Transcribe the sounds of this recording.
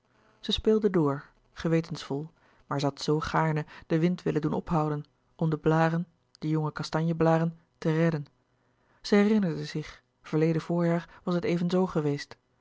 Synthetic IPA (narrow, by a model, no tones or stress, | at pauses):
z̥əspɪːlˠdədʊːɹ | χəʋejtənsfɔlˠ | maːɹzəɦɑtsowχaːɹnəd̥əʋɪntʋɪləndunɔpɦʌwdən | ɔmdəblaːɾən | d̥əjɔŋəkɑstɑɲjəblaːɾən | tərɛdən | z̥əɦɛrɪnəɹdəzɪχ | v̥əɹlejdəv̥ʊːɹjaːɹʋɑsətejvənzowχəʋejst